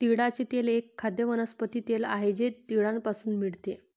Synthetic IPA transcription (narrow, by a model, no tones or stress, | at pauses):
t̪iɽat͡ɕet̪elekʰːad̪jəʋənəspət̪iːt̪ela̰ɦed͡ʑet̪iɽanpasuːnmiɭt̪e